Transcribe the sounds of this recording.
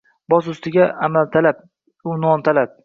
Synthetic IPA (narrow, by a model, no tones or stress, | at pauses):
bɒsʊst̪ɪɡʲaamalt̪ʰalap̚ | ʊnɒnt̪ʰalap̚